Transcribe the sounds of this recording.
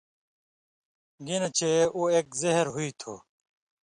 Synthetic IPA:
ɡinɐt͡ɕʰeueːkzeɦɾɦuit̪ʰo̰ː

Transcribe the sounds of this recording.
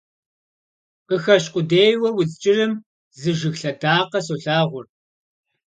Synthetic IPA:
qəxɐɕ̬qʷʼʊdeːjwɐwʊzt͡ʃʼɪrɨm | zɨʒɨɣɬɐdaːqɐsoɬaːʁʷʊr

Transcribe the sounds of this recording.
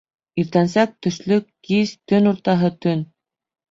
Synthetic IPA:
iɾt̪æns̬æk̚t̪ɵ̆ʃlɵkːizt̪ɵnuɾt̪ɑɦɤt̪ɵn

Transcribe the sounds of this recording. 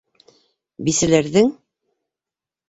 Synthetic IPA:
bisɘ̆læɾðɘŋ

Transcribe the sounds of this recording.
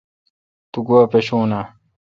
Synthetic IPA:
t̪uɡowɐpeɕoːna

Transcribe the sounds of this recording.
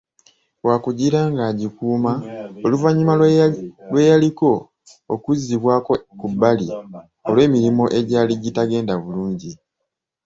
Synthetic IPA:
waːkuɟiɾaŋɡaːɟikuːmaoluvaɲːuma | lwe̞jaliko̞ | okuziβwaːkokubːali | o̞lwe̞ːmiɾimo̞ʔe̞ɟaːliɟitaɡe̞ːndaβuluːɲɟi

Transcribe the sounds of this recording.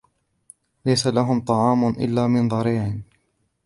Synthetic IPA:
lajsalaɦʊmt̪ˤɑʕɑːmʔɪ̰lːaːmɪnðˤɑɾiːʕɪn

